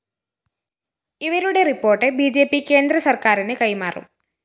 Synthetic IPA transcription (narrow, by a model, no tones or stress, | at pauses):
iʋɐɾuɽe̞ripːo̞ːrʈːɨbiːd͡ʑe̞ːpːike̞ːnd̪ɾɐsɐrkaːɾinɨkɐjmaːrṵm